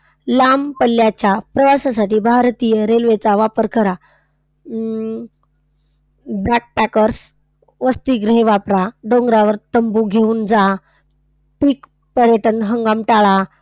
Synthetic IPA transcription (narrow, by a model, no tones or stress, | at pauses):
lampəlːjat͡ɕjapɾəʋasasaʈiːbʱaɾt̪ijəɾelʋet͡saʋapəɾkəɾa | bɛk̚pækəɾs | ʋəst̪iːɡɾeɦeʋapɾaɖõŋɡɾaʋəɾt̪əmbuɡʱeuːnd͡za | pik | pəɾjəʈənɦəŋɡamʈaɭa